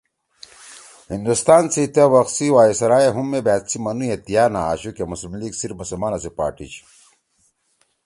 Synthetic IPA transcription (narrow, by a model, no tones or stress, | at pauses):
hind̪ust̪aːnsit̪ewɐxsiwaːisɐɾaːjeɦumːebæːt̪t͡simɐnujet̪ijaːna̰a̰ːɕukemuslimliɡsiɾmusulmaːnɐsipa̰ːʈḭt͡ɕ